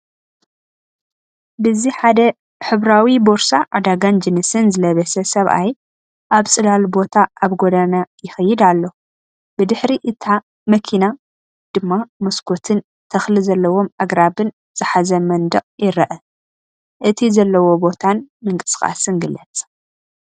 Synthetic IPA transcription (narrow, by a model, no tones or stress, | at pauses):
bɨziħad̪ɐ | ħɨβɾawibo̞ɾsaʔad̪aɡand͡ʒɛnɨsɨnzɨlɐβɐsɐsɐβʔa̰j | ʔaβsʼɨlalbo̞t̪ʰaʔaβɡod̪anajɪxɐjːɪd̪alːo̞ | b̥ɨd̪ɨħɾiʔɨt̪ʰa | mɐkʰina | d̪̥ɨmːamɐskʰot̪ʰɨn | t̪ʰɐxlɨzɐlːɐwo̞mʔaɡɾabɨn | z̥ɨħazɐmɐnd̪ɐqʼjɪɾɐʔɐ | ʔɨt̪ʰizɐlːɐwo̞bo̞t̪ʰanmɨŋkʼɨsɨ̥xʼa̰sɨnɡɨlːɐt͡sʼ